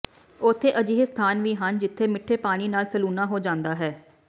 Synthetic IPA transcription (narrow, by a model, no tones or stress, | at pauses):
ʊt̪ʰːeːʔəd͡ʒiːɦst̪ʰaːnʋiːɦənd͡ʒɪt̪ʰːeːmɪʈʰːeːpaːɽ̃iːnaːlsəluːnaːɦoːd͡ʒãːnd̪aːɦɛː